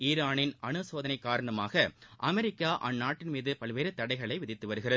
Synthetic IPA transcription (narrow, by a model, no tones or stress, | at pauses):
iːɾaːnɪnɐnɯsoːðɐnɐɪkːaːɾɐɳɐmaːɣɐʔɐmɛɾɪkːaːʔɐ̰nːaːʈːɪnmiːðɯpɐɭʋeːɾɯt̪ːɐɽɐɪɣɐɭɐɪʋɪðɪt̪ːɯʋɐɾɯɣɪrɐð